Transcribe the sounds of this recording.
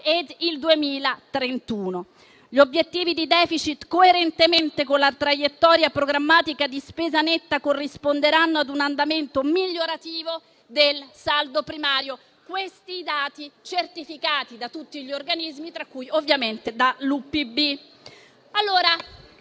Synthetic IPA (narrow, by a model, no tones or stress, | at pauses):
ed̪ild̪uemiːlat̪ɾent̪uːno | ʎobjet̪ːiːvid̪id̪ɛːfit͡ʃit̪koeɾent̪ement̪ekonlat̪ɾajet̪ːɔːɾjapɾoɡɾamːaːt̪ikad̪ispeːzanet̪ːakorːispond̪eɾanːoad̪unand̪ament̪omiʎːoɾat̪iːvo | d̪elsald̪opɾimaːɾjo | kwest̪iːd̪aːt̪it͡ʃert̪ifikaːt̪id̪at̪ut̪ːiʎiorɡanizmit̪ɾakːujovːjament̪ed̪alupibi | alːoːɾa